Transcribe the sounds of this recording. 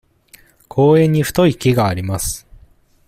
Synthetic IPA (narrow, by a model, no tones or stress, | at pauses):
kʰo̞ːẽ̞ɲ̟ːiɸɯ̟̥t̪o̞ikʲeɡaːɾʲimasɨ̥